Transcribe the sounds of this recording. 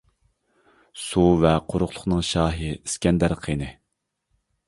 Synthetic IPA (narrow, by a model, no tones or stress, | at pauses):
suvɛqʰoɾʊχlˠʊχnɨŋʃɑːɦɨiskʲɛnd̪æɾqʰenɨ